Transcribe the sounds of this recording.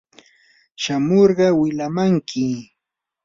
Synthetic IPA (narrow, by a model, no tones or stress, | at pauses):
ʃamoɾɢɑwɪʎamaŋkʰɪ